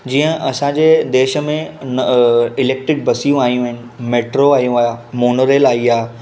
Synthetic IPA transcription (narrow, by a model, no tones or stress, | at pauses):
d͡ʑiːə̃ʔɐsãːd͡ʑeːd̪eːʃə̆mẽ | ɪleːk̚ʈɾɪk̚bɐsiːjũaːijũɪnɪ̆meːʈɾoaːijũaːjamoːnoɾeːlaːiaː